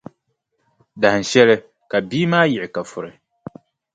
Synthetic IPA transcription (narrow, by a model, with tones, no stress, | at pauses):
da˨hɨ˨ʃɛ˦lɨ˦ | ka˨biː˦maː˦jɪ˨ʔɪ˨ka˨fʊ˨ɾɨ˨